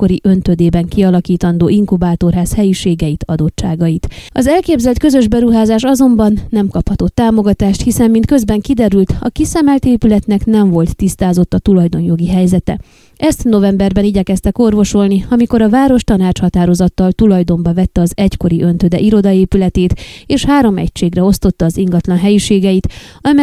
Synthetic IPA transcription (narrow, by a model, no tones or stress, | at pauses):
ko̞ɾiʔø̞nt̪ød̪eːbɛŋkiɒlɒkiːt̪ɒnd̪oːiŋkubaːt̪o̞rɦaːshɛjiʃeːɡɛjit̪ɒd̪o̞t͡ʃt͡ʃaːɡɒjit̪ɒzɛlkeːbzɛlt̪kø̞zø̞ʒbɛɾuɦaːzaːʃɒzo̞mbɒnːɛmkɒphɒt̪o̞t̪ːaːmo̞ɡɒt̪aːʃt̪hisɛmːint̪køzbɛŋkid̪ɛɾylt̪ɒ̰kisɛmɛlt̪eːpylɛt̪nɛknɛɱvo̞lt̪ːist̪aːzo̞t̪ːɒt̪ulɒjd̪o̞njo̞ɡiɦɛjzɛt̪ɛ̰ | ʔɛst̪no̞vɛmbɛrbɛniɟɛkɛst̪ɛko̞rvo̞ʃo̞lniɒmiko̞ɾɒvaːɾo̞ʃt̪ɒnaːt͡ʃhɒt̪aːɾo̞zɒt̪ːɒlt̪ulɒjd̪o̞mbɒvɛt̪ːɛɒzɛcko̞ɾiʔø̞nt̪ød̪ɛ̰ʔiɾo̞d̪ɒeːpylɛt̪eːt̪eːʃhaːɾo̞mɛ̰cʃeːɡrɛo̞st̪o̞t̪ːɒːziŋɡɒt̪lɒnɦɛjiʃeːɡɛjit̪ɒm